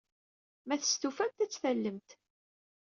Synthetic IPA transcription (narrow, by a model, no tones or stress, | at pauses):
mæθə̥st̪ufænt̪æt͡sːθælːəmt̪